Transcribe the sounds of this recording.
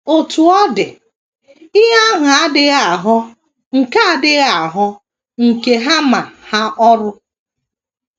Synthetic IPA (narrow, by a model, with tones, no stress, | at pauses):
o˨tu˨ɔ˦dɪ˨ | i˦ɦa˦ɦʊ˨a˦dɪ˦ɣa˨ɦɔ˦ | ŋ̩˨ka˦a˦dɪ˦ɣa˨ɦɔ˦ | ŋ̩˨ke˨ɦa˦ma˨ha˦ʔɔ˦ɾʊ˦